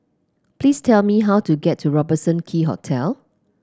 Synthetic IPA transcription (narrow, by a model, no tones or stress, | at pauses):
plistʰɛlmiɦawtuɡɛtʰːuɹɔbəsə̃nkʰiɦɔ̰tʰɛl